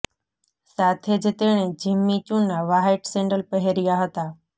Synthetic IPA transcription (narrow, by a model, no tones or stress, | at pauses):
saːt̪ʰed͡ʑɪt̪eɽ̃ẽd͡ʑɪmːit͡ɕũnaʋaːɦeʈsẽːɳɖəlpəɦeɾɪjaɦət̪aː